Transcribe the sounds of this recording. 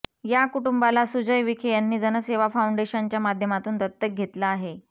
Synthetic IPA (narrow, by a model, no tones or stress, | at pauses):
jakuʈumbalasud͡ʑəjʋikʰejanːiːd͡zənəseʋafauɳɖeɕant͡ɕjamad̪ʱjəmat̪uːnt̪ət̪ːək̚ɡʱet̪laːɦe